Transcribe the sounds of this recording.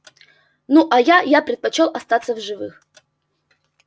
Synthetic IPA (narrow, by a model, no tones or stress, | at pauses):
nuʔajajapɾʲɪt̪̚pɐt͡ɕelˠɐst̪at̪sːəvʐɨvɨx